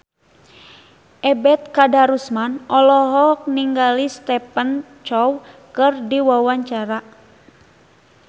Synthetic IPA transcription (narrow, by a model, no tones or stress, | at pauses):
ʔɛbɛt̪̚kadaɾusmanʔɔlɔɦɔk̚niŋɡalist̪ɛpən | t͡ʃɔwkɨrdiwawaɲt͡ʃaɾa